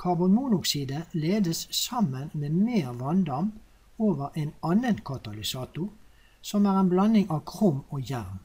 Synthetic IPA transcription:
kʰɑʁbʊnmuːnʊksiːd̪əleːd̪əssɑmːənmeːmeːʁʋɑnd̪ɑm | oːʋəʁʔenɑːnənkʰɑt̪ɑlɪsɑːt̪ʊ | sɔmæːʁeːnblɑnɪŋɑːʋkʰʁʊmoːjæʁm

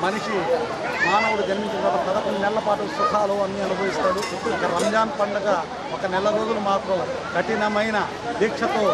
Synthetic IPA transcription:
mɐniʂi | maːnɐwuɽud͡ʒɐnmiɲt͡ʃɐkɐːʈɐmkɐt̪ɐkunɖinɛlːɐpaːʈusuk̪ʰaːloːɐnːiɐnubʱɐːʋist̪aːɽu | uɐkɐɾɐmd͡ʒaːnpɐɳɖɐɡa | ɔkɐnɛlːɐɾoːd̪ulumaːt̪ɾɐm | kɐʈinɐmɐjnɐ | b̪iːkʂɐt̪oː

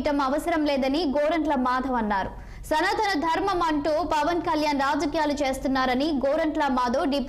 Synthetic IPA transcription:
ʈɐmɐʋɐsɐɾɐmlɛːd̪ɐniɡoːɾɐɳʈlɐmaːd̪ʱɐʋɐnːaːɾu | sɐnɐd̪ʱɐnɐd̪ʱɐɾmɐmɐɳʈuːpɐʋɐnkɐljaːnɾaːd͡ʒɐkijaːlut͡ʃe̞ːst̪unːaːɾɐniɡoːɾɐɳʈlɐmaːd̪ʱoːɖip

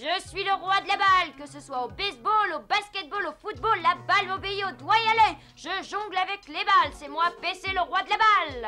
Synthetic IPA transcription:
ʒəsɥiləʁwad̪əlabalkəsəswaobɛsbolobaskʲɛt̪̚bolofut̪̚bolːabalmobeiod̪wajalœj | ʒəʒɔ̃ɡlavɛklebalsɛmwapeseləʁwad̪əlabal

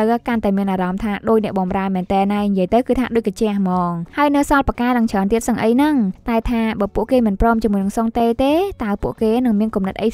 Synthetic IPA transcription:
wkant̪aɛmiənʔaːɾɑmt̪ʰaːɗoːc̚nɛ̆əʔɓɑmraəmɛːnt̪ɛːnːaɛɲjiəjt̪ɨwkɨːt̪ʰaːɗoːc̚kat͡ɕɛ̆əhmɑːŋhaəjnɨwsɑlpakaːɗɨŋt͡ɕʰəənt̪iət̪səŋʔəjnɨŋt̪aɛt̪ʰaːɓəːpuəʔkeːmɨnprɔːmt͡ɕiəmuəjnɨŋsoŋt̪eːt̪eːt̪aəpuəʔkeːnɨŋmiənkumnɨt̪̚ʔəj

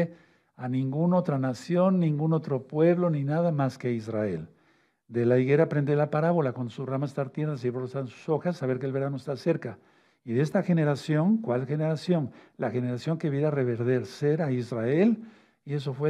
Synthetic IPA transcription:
e | anĩŋɡuno̞t̪ɾanasjo̞nːĩŋɡuno̞t̪ɾo̞pwe̞βlo̞ninaðamaskeaizraḛl | d̪e̞laiɣe̞ɾapɾend̪elapaɾaβo̞lakwond̪osuramaest̪aɾt̪je̞ɾðas̬iβɾosansu̥so̞xasːaβe̞ɾkelβe̞ɾanoest̪aseɾka | iðeest̪axe̞ne̞ɾasjo̞ŋkwalxe̞neɾasjo̞ŋlaxe̞ne̞ɾasjo̞ŋkeβjeɾare̞βe̞ɾðe̞ɾse̞ɾaizrae̞l | ie̞s̬o̞fwe

